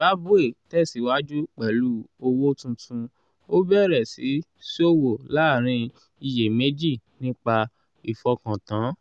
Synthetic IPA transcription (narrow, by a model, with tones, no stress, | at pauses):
a˦bu˦e˦˨tɛ˦˨si˨˦wa˦d͡ʒu˦k͡pɛ˨lu˨˦o˧wo˦tũ˧tũ˧ | o˦bɛ˦˨ɾɛ˨si˨˦ | si˦o˦wo˨la˨˦˨ɾ̃ĩ˧ | i˧˨je˨me˦d͡ʒi˦˨nĩ˦k͡pa˧ | i˨fɔ˧kã˨tã˨˦